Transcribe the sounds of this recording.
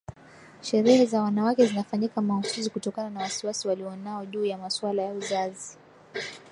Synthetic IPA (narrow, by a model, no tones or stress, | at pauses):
ʃɛɾɛhɛzawanawakɛzinafaɲikamausuzikutɔkananawasiwasiwaliɔnaɔʄuːjamaswalajauzazi